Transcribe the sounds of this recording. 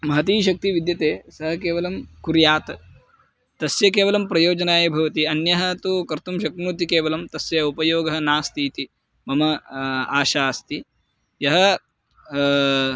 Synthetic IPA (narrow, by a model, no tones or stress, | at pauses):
mɐɦɐt̪iːʃɐk̚t̪iʋid̪jɐt̪eːsɐɦɐkeːʋɐlɐmkuɾjaːt̪ | t̪ɐsjɐkeːʋɐlɐmpɾɐjoːd͡ʒɐnaːjɐbʱɐʋɐt̪iɐnjɐɦɐt̪ukɐɾt̪umʃɐkmut̪ikeːʋɐlɐmt̪ɐsjɐupɐjoːɡɐɦɐnaːst̪iːt̪i | mɐmɐaːʃaːst̪i | jɐɦɐ